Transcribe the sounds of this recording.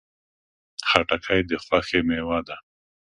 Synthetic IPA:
xaʈakʰajd̪əxaxemewad̪a

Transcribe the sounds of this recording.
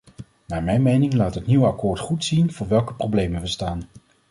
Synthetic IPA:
naːɹmɛjnmejnɪŋlaːtɦətniwɑkʊːɹtχutsinvʊːɹʋɛlˠkə̥prowblejmənʋəstaːn

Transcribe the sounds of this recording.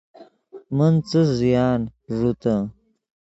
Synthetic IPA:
mɐnt͡səzijaːnʐut̪a

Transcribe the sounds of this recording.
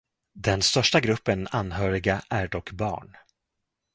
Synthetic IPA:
d̪ɛnst̪œʂʈaɡɾɵpːənanːɦœːɾɪɡaʔæɖɔkːbɑ̰ːɳ

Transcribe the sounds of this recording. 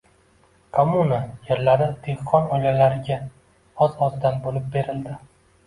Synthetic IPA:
kʰomunajeɾlaɾɪd̪̥e̞hqʰːɒnɒjlalaɾɪɡʲa | ɒzɒzd̪anbolɪp̚be̞ɾɪld̪ɪ

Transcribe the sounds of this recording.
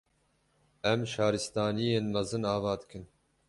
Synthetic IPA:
ɛmʃɑːɾɨst̪ɑːnijeːnmɐzɨnɑːvɑːd̪ɨ̥kʰɨn

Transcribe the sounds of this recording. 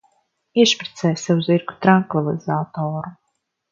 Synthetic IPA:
iɛʃpɾi̥t̪sɛːjsavuziɾɡu̥t̪ɾaŋkvilˠizaːt̪oːɾu

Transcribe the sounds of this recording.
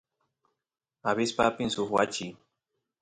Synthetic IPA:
aβɪspapɪnsʊxwat͡ʃɪj

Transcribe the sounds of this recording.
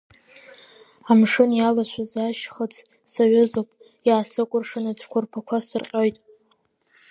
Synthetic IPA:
amʂɨnjalaʃʷazaʃχət͡sʰ | saɥʊzowpʼ | jaːsɨkʷʼʊrʂanaʈ͡ʂʷʰkʷʰʊrpʰakʷʰasɨrqʲʼojtʼ

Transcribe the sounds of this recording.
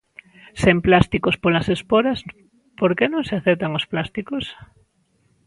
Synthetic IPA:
semplast̪ikospolɐsespoɾɐs | poɾkenõŋseaθɛt̪aŋosplast̪ikos

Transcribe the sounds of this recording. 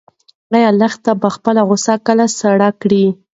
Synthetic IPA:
ɣajalaxt̪abəxpəlaɣʊsakəlasaɽɑkɽi

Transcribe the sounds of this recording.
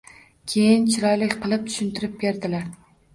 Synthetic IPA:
kʲʰejɪnt͡ʃʰɪɾɒjlɪkʲqʰɨlˠɪp̚t̪ʰʊ̥ʃʊnt̪ʰɪɾɪp̚be̞ɾd̪ɪlaɾ

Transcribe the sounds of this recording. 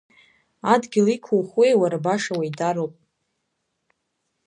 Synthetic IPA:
adɡʲɪlikʷʰuwχwejwaɾabaʂawaidaɾowpʼ

